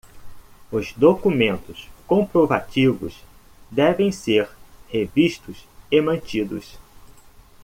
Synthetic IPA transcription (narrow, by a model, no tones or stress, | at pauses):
ʊzd̪okumẽnt̪ʊskõpɾova̰t͡ʃivʊ̰s | d̪ɛvẽj̃seɾheviʃt̪ʊsemɐ̃nt͡ʃid̪ʊ̰s